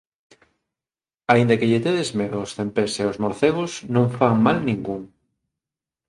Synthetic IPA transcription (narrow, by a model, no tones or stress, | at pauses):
aind̪akeʎet̪eðezmeðoosθempeseozmoɾθeɣ̞ʊsnõŋfaŋmalnĩŋɡuŋ